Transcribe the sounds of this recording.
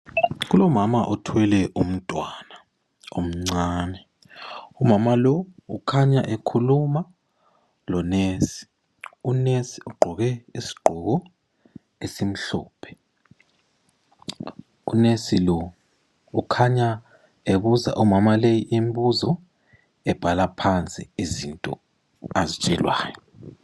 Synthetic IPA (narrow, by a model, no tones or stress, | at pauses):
ɣ̬ulɔmamaʔɔtʰwɛlɛʔum̩tʼwana | om̩ŋ͡ǀaːnɛ | umamalɔukʰaɲaʔekʰuluma | lɔnesi̥ | unesi̥uɡ͡ǃʱɔɣɛisi̥ɡ͡ǃʱɔɣ̬ɔ | esim̩ɬɔ̰ːpʰɛ̥ | ṵnesilɔ | ukʰaɲa | eβuza̰ʔumamalejiʔim̩buzɔ | ɛb̥ʱalapʰant͡sʼḭizintʼɔ̰ | azit͡ʃʼɛlwa̰ːjɔ